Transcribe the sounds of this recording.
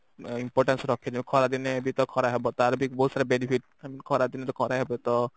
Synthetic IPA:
impɔɾʈansɾɔkʰɛd͡ʒ̪ɛmikʰɔɾad̪inebit̪ɔkʰɔɾaɦɛbɔt̪ɔaɾbikbɔɦut̪saɾebenipʰiʈ̚ | aminkʰɔɾad̪inet̪ɔkʰɔɾaɦɛbɛt̪ɔ

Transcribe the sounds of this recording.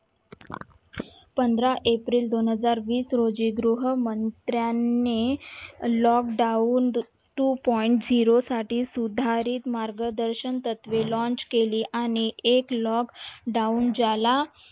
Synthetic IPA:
pənd̪ʱɾaʔepɾiːld̪onɦəd͡zaɾʋiːsɾod͡ʑiːɡɾuɦəmənt̪ɾjanːe | lɔkɖaun | ʈuːpɔiɳʈd͡ziɾosaʈiːsud̪ʱaɾiːt̪maɾɡəd̪əɾɕənt̪ət̪ʋelɔ̃nt͡ɕkeliːʔaɽ̃iʔeklɔkɖaund͡zala

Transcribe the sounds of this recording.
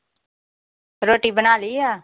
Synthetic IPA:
ɾoːʈiːbənaːliːaː

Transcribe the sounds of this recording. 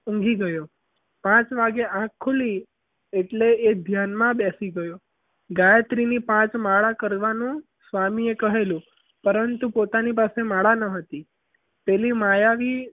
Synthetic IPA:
ũŋɡiɡəjo | pãt͡ʃʋaɡeʔãkʰːuli | eʈleed̪ʱjanmãbɛsiɡəjo | ɡajət̪ɾinipãt͡ʃmaɭakəɾʋanũ | sʋamiekəɦelũ | pəɾənt̪upot̪anipasemaɭanəɦət̪i | pɛlimajaʋi

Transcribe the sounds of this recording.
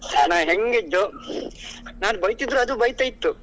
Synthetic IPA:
naːnɦeŋɡid̪ːo | naːnbɐjt̪id̪ɾuɐd̪ubɐjt̪ɐjit̪ːu

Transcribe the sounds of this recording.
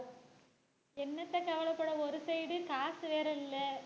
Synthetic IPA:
enːɐt̪ːekɐʋɐɭɐpːɐɽɐoɾɯsɐjɽɨkaːsɨʋeːɾɐlilːɐ

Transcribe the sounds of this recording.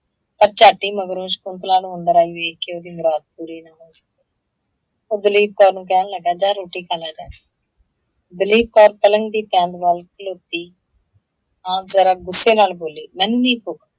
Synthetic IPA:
pəɾt͡ʃaːʈiːməɡɾõːʃkʊnt̪laːnũʊnd̪əɾaːiːʋeːkɪoːd̪iːmʊɾaːd̪̚puːɾiːnaːɦoːsə̥k̪̚eː | oːd̪əliːb̚kɔːɾnũːkɛːnləɡːaːd͡ʒaːɾoːʈiːkalaːd͡ʒaːi | d̪əliːb̚kɔːɾkələŋɡd̪iːpɛ̃ːnd̪ʋaːlkəloːt̪iː | ãːzəɾaːɡʊsːeːnaːlboːliːmɛ̃ːnũːniːpʊkʰ

